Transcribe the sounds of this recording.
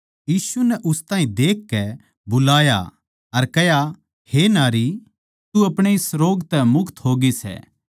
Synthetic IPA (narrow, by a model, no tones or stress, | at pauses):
jiːsunɛʔʊst̪ãːɦĩd̪eːkːɛ | bʊlaːja̰ | ɐɾkɛja | henaːɾi | t̪uɐpɽ̃eisɾoːɡt̪ɛmʊkt̪ɦoːɡisɛ̰ː